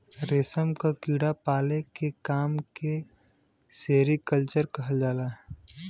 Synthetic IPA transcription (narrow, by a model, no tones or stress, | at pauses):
ɾesəmkakiːɽapaːlekekaːmke | seːɾikəlt͡ʃəɾkɐɦəld͡ʒaːlaːɦ